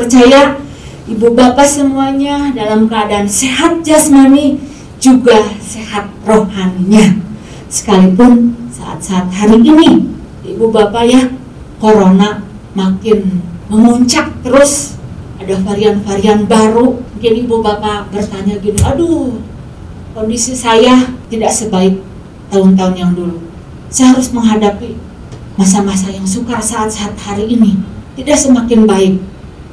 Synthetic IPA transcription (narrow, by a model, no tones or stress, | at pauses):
pərt͡ʃaja | ibubapasəmuaɲadalamkəadaːnseɦat̪̚d͡ʒasəmani | d͡ʒuɡasehat̪̚rohanɲa | sə̥kalipʊnsa̰ʔa̰t̪̚saːt̪̚haɾiːni | ibubapaja | koɾona | makɪnməŋuɲt͡ʃak̚t̪əɾʊs | adafaɾianfaɾianbaɾumukɪnibubapabərt̪aɲaɡiniʔadu | kondisisajat̪idaʔsəbaɪk̚ | t̪aʊnt̪aʊnjaŋdulu | sajaɦaɾʊsməŋɦadapi | mas̬amas̬ajaŋsukasaʔːt̪̚saːt̪̚haɾiːnit̪idaʔsəmakɪnbaɪk̚